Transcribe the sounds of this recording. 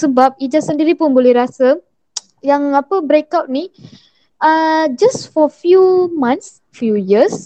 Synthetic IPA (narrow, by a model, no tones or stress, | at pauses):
səbap̚id͡ʒasəndiɾipʊnbolɛhɾasa | jaŋapəbɾekawt̚ni | əd͡ʒasfɔfjumãns | fjujis